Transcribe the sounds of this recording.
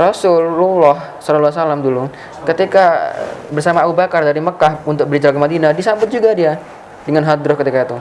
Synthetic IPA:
rɔsʊlulɔhsɔlalːsalamdulu | kət̪ikabərsamaːbubakardaɾiməkahunt̪ʊk̚bəɾid͡ʒalkəmadinadisambʊt̪̚d͡ʒuɡadia | dəŋanɦad̪ɾʊhkət̪ikait̪u

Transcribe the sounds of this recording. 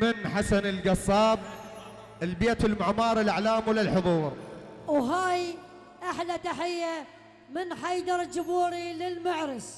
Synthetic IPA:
mɪnħasanɪlɡɑsˤːɑːb̚ | ɪlbeːt̪wɪlmʊʕmɑːɾˤɪlʔaʕlaːmwɪlɪlħʊðˤuːɾˤwɦaːj | ʔaħlat̪aħɪjːa | mɪnħajd̪ɑɾˤd͡ʒʊbuːɾilɪlmaʕɾɪs

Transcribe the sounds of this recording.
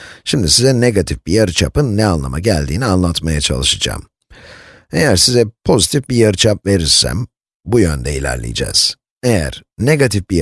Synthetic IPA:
ʃimd̪isizɛne̞ɡat̪ʰifb̥ijaɾɯt͡ʃʰapɯnːɛanlˠa̰maɟælʲd̪iːnianlˠat̪majat͡ʃʰa̰lˠɯʃad͡ʒa̰ːm | e̞jæɾsizɛpʰo̞zit̪ʰifbijaɾɯt͡ʃʰap̚ve̞ɾiɾsæ̰m | bujønd̪ɛilʲæ̰ɾlʲḭjid͡ʒɛ̰ːz̥ | e̞jæ̰ɾ̥ne̞ɡat̪ʰifbij

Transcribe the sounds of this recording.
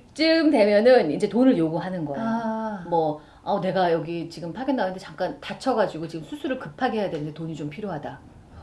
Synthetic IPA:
t͡ɕ͈ɯmde̞mjʌnɯnind͡ʑe̞tonɯɭjoɡuɦanɯnɡʌmwʌ | ane̞ɡajʌɡit͡ɕiɡɯmpʰaɡjʌnːanɯndet͡ɕaŋk͈antat͡ɕʰʌɡad͡ʑiɡot͡ɕiɡɯmsʰusʰuɾɯɭkɯpʰaɡeɦejadwe̞nɯnde̞toɲit͡ɕompʰiɾjoɦada

